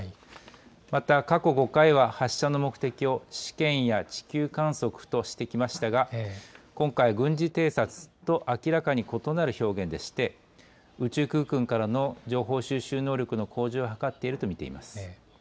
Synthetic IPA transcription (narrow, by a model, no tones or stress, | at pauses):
mat̪akako̞ɡo̞kaiβahaɕːano̞mo̞kɯ̟̥t̪e̞kʲio̞ɕi̥kẽ̞ɰ̃jat͡ɕi̥kʲɨːkãɰ̃so̞kɯ̟̥t̪o̞ɕi̥t̪e̞kʲimaɕi̥t̪aɡakõŋkaiɡɯ̟̃ɲ̟d͡ʑit̪e̞ːsat͡sɨ̥t̪o̞ʔakʲiɾakaɲ̟iko̞t̪o̞naɾɯ̟ço̞ːɡẽ̞nd̪e̞ɕi̥t̪e̞ | ɯ̟t͡ɕɨːkɯ̟ːkɯ̟̃ŋkaɾano̞d͡ʑo̞ːɦo̞ːɕɨːɕɨːno̞ːɾʲo̞kɯ̟no̞kʰo̞ːʑɨːoɦakat̪ːe̞iɾɯ̟t̪o̞mʲit̪e̞̰ḭma̰sɨ̥